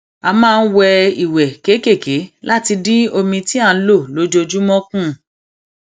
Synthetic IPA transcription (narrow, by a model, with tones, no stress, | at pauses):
a˧mãː˦˧n̩˦wɛ˧i˨wɛ˨ke˨˦ke˦˨ke˨˦la˦ti˧di˦o˧mĩ˧ti˦a˦˧n̩˦lo˦˨lo˨˦d͡ʒo˧d͡ʒu˦mɔ̃˦kũ˦˨